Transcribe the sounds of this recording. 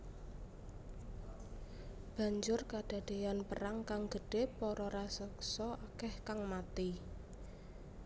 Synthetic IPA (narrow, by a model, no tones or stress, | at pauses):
b̥a̤ɲd͡ʒʊrkaɖ̥a̤d̥e̤janpəɾaŋkaŋɡ̥əɖ̥e̤pɔɾɔɾasəksɔʔakɛhkaŋmat̪i